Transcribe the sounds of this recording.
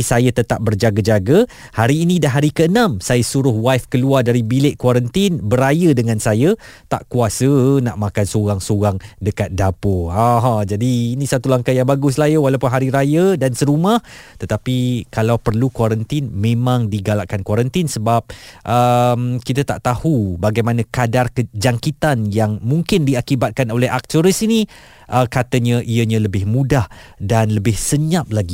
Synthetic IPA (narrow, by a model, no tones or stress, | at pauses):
isajat̪ət̪ap̚bərd͡ʒaɡad͡ʒaɡa | haɾiːnĩdaɦaɾikəənãmsajasuɾʊhwajfkəluardaɾibilɪʔ̚kwaɾənt̪inbəɾajədəŋãnsajat̪a̰ʔkuasənaʔmãkansoɣaŋsoɣaŋdəkat̪̚dapuaɦãd͡ʒadiːnĩsat̪ulaŋkajaŋbaɡʊs̬lajəwalawpʊnɦaɾiɾajədansəɾumaht̪ət̪apikalawpərlukwaɾənt̪ɪnmẽmãŋdiɡalaʔkankwaɾənt̪ɪnsəbap̚ʔəmkit̪at̪a̰ʔt̪ahubaɡajmanãkadarkəd͡ʒaŋkit̪anjaŋmuŋkɪndiakibat̪̚kanolɛɦak̚t̪əɾisini | ʔəkat̪əɲəʔiəɲãləbɪhmũdahdanləbɪhsəɲap̚laɡi